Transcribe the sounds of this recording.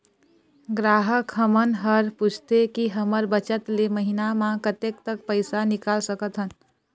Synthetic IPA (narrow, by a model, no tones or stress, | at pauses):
ɡɾaɦəkɦəmənɦəɾput͡ʃʰt̪ekiɦəməɾbət͡ʃət̪leməɦinamãkət̪ekt̪ək̚pəɪsanikalsəkət̪ɦən